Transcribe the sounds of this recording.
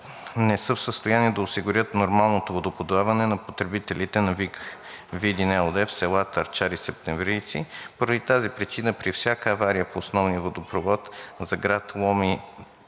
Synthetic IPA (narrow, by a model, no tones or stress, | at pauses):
nɛsɤfsəst̪ojaniɛd̪ɐosiɡʊɾʲjət̪noɾmalˠnot̪ovod̪opod̪oavɐnɛnɐpot̪ɾɛbit̪ɛlit̪ɛnɐvikvid̪inɛod̪ɛfsɛlˠat̪ɐɾt͡ʃaɾisɛp̚t̪ɛɱvɾiːt̪sipoɾɐd̪it̪azipɾit͡ʃinəpɾifsʲjakəːvaɾiəpoːsnɔvniəvod̪opɾovɔt̪zɐɡɾat̪lˠɔmi